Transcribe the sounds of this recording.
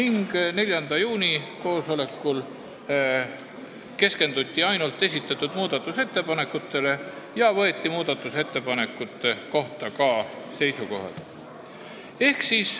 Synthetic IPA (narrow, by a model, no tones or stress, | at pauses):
niŋɡ̥ne̞lʲjɑnd̪̥ɑjuːnʲiko̞ːso̞le̞kːˑul | ke̞ske̞nd̪̥ut̪ʲːiɑjnult̪ːˑe̞sʲit̪ːˑɑt̪ːud̪̥muːd̪̥ɑt̪ːˑuse̞t̪ːe̞pɑne̞kːˑut̪ːˑe̞le̞ | jɑvɤ̞e̞t̪ʲːimuːd̪̥ɑt̪ːˑuse̞t̪ːe̞pɑne̞kːˑut̪ːˑeko̞ht̪ɑkɑː | se̞jsuko̞̰ɦɑ̰l | e̞hksis